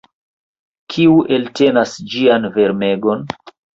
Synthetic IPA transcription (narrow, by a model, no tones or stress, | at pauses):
kʰiuʔe̞lte̞nasd͡ʒianve̞ɾme̞ɡo̞n